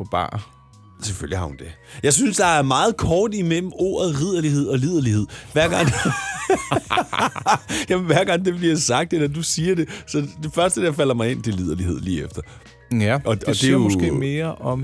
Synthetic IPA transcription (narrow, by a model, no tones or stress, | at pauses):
pɒ̽b̥ɑ̰̈ː | seføljihɑ̈hund̥e̝jɑ̈ɪsynsd̥ɑ̈æɐmɑ̈ːð̞̩ˠkʰɒːd̥imel̰m̩o̝̰ːɐð̩ˠʁið̞̰ˠɐliɦe̝ð̞̰ˠɒ̽lið̞̰ˠɐlihe̝ð̞̰ˠʋæɐ̰ɡ̥ɑ̈ŋ̰ | jæmnʋæɐɡ̥ɑ̈ŋ̰d̥e̝b̥liɐsɑ̈ɡ̥̚d̥enæd̥usiːɐd̥e̝sɒ̽d̥e̝fɶɐsd̥əjɑfæl̰ɐmɑ̈ɪe̝n̰d̥elið̞ˠɐlihe̝ð̞̰ˠliːefd̥ɐ | æɒ̽eɒd̥emɔsɡe̝̰me̝ːɐʔɒ̽m